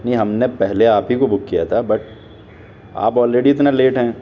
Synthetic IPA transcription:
nɐɦiɦɐmnepɛɦleaːpɦikobʊkːijat̪ʰabɐʈ̚ | a̰ːpɔːlɾeːɖiɪt̪naleːʈɦɛ̃ː

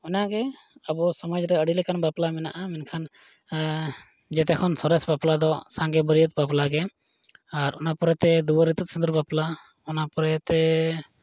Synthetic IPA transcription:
ɔnaɡɛ | əbɔsɔmad͡ʒɾɛəɖilɛkanbaplamɛnaʔamɛnkʰan | d͡ʒɛt̪ɛkʰɔnsɔɾɛsbaplad̪ɔsãŋɡɛbəɾijət̪̚baplaɡɛ | aɾɔnapɔɾɛt̪ɛd̪uwəɾit̪ut̪̚sənd̪uɾbapla | ɔnapɔɾɛt̪ɛ

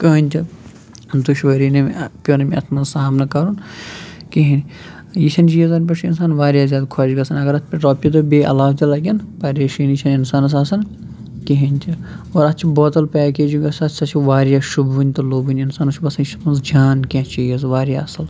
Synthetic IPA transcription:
kɐːnʲt̪ʲi | d̪uʃʋɐɾiːnɐmpʲjoːnɐmiɐt̪ʰmɐnzsaːmnɐkɐɾun | kiɦinijisʰʲɐnt͡ʃijɐzɐnʲp̬ɐʂʰinsaːnʋaːɾʲjaːzʲaːd̪kʰɐʃɡɐsʰɐnɐɡɐɾɐt̪ʰpɐʈoːpʲit̪̬obeːʔɐ̰laːft̪ɐlɐɡʲɐnpɐɾeːʃinit͡ʃʰɐninsaːnɐs̬aːsɐn | kiɦinʲt̪ʰi | oːɾɐt̪ːt͡ʃʰiboːt̪ɐlpɛːkeːd͡ʒuɡɐsɐt̪ʰʲsɐt͡ʃʰiʋaːɾijaːʃubunʲt̪ɐloːbunʲinsaːnɐʃubɐsɐnt͡ʃmɐnzd͡ʒaːnkʲẽt͡ʃijɐzʋaːɾja̰ːɐsɐl

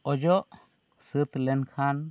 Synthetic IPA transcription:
ɔd͡ʒɔʔ | sɨt̪lɛnkʰan

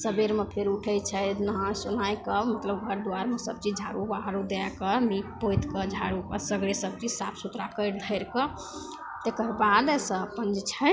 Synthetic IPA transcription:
səbeɾmepʰeɾuʈʰəjt͡ʃʰət̪nəɦãsunajkəmət̪ləbɡʱəɾd̪uaɾmesə̰b̚t͡ʃid͡ʒʱaɾubaɦɾud̪eakəmik̚pojt̪kəd͡ʒʱaɾupəsəɡɽesəb̚t͡ʃisapʰsut̪ɾakəɾd̪ʱəɪɾkə | t̪ekəɾbad̪səpənd͡ʒt͡ʃʰə

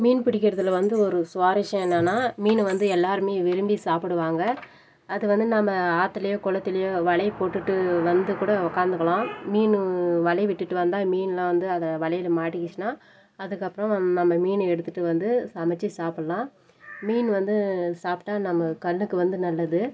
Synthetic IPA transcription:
miːnpɪɽɪkːɪɾɐðɯlʋɐnd̪ɯɔɾɯsʊʋaːɾɪʂɐ̃ɛnːɐnːaːmiːnʋɐnd̪ɯɛlːaːɾɯmeːʋɪɾɯmbisaːpɯɽɯʋaːŋɡɐː | ðɯʋɐnd̪ɯnɐmːɐaːt̪ːɪlɐjõːkɔɭɐt̪ːɪlɐjõːʋɐɭɐɪpoːʈːɯʈːɯʋɐnd̪ɯkuːɽɐʊkːaːnd̪ɯkːɐɭãːmiːnʋɐɭɐɪʋɪʈːɯʈːɯʋɐnd̪ãːmiːnlɐʋɐnd̪ɯɐðɐʋɐɭɐjɪlmaːʈːɪkːɪt͡ʃːnaː | ɐðɯkːɐpːɯɾɐ̃nɐmːɐmiːnɛɽɯt̪ːɯʈːɯʋɐnd̪ɯsɐmɛt͡ʃːisaːpɐɽɐlãː | miːnʋɐnd̪ɯsaːpʈːaːnɐmːɐkɐlːɯkːɯʋɐnd̪ɯnɐlːɐðɯ

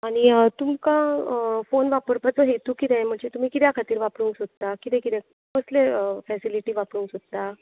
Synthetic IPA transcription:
aɽ̃it̪umkãfonʋapəɾpat͡səɦet̪uːkit̪ɛ̃jm̤əɳd͡zet̪um̤iːkit̪jakʰat̪iːɾʋapɽuːŋksod̪t̪akit̪ɛ̃kit̪ɛ̃ | məsleəfɛsiliʈiːʋapɽuːŋksod̪̚t̪a

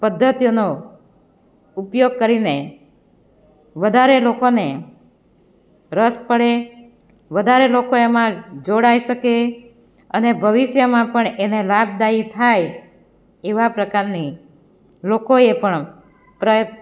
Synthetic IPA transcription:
pəd̪ʱːət̪ijono | upjoɡ̚kəɾine | ʋəd̪ʱaɾelokone | ɾəspəɽe | ʋəd̪ʱaɾelokoemãd͡ʒoɽaiʃəke | ənebʱəʋiʃjəmãpəɳenelab̚d̪ait̪ʰaj | eʋapɾəkaɾni | lokoepəɳ | pɾəjə

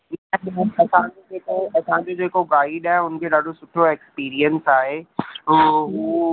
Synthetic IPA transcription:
nɐsãd͡ʑod͡ʑeːkoɐsãd͡ʑod͡ʑoeːkoɡaːɪiɖaːɦɪʊn̆kʰeɗaːɖʱosʊʈʰoekspiːɾiənsaːɦeː | ɦuː

